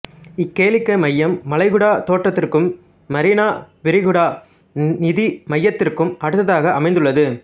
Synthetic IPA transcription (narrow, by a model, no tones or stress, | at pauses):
ɪkːeːlɪkːɐɪmɐjːɐmːɐlɐɪɣɯɽaːt̪oːʈrɐt̪ːɪrkɯmː | ɐɾinaːʋɪɾɪɣɯɽaː | nɪðimɐjːɐt̪ːɪrkɯmʔɐɽɯt̪ːɐðaːɣɐʔɐmɐɪnd̪ɯɭːɐðɯ